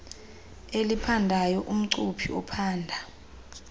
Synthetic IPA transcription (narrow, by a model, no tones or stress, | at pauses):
elipʰandʱajɔʔum̩ǀupʰiɔ̰pʰaːndʱa